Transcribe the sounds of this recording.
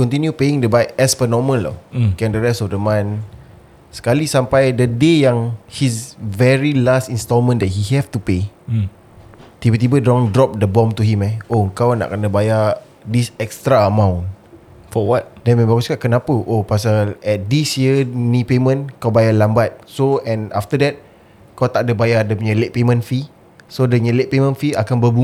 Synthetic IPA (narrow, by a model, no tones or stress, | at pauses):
kɔ̃nt̪injupeĩŋdəbajɛspənɔmə̃nlɔ̰kɛ̃ndəɹɛstɔfdəmãn | sə̥kalisampajdədejaŋhisvɛɹilastinst̪ɔlmə̃ndɛt̚hiɦɛft̪upe | t̪ibət̪ibədɾɔ̃ŋdɾɔp̚dəbɔ̃mt̪uɦimɛoəŋkawna̰ʔkənəbaja | disɛkst̪ɾaəmãw̃n | fɔwɔt̚dɛnmɛ̃baɡuskaʔkənapəʔopas̬aɛt̚disjənĩpemə̃nkawbajalambat̪̚soɛ̃na̰ft̪ədɛt̚ | kawt̪aʔ̚dəbajadəpuɲə̃let̚pemə̃nfi | sodəɲəlet̚pemə̃nfiakanbəbu